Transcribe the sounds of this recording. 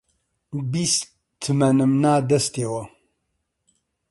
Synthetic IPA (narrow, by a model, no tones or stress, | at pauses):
bist | t̪ʰːɨmɐnɨmnaːd̪ɐst̪eːwɐ